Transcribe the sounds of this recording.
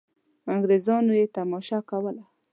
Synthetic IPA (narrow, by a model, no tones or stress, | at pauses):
aŋɡɾezɑnojet̪amɑʃɑkawəla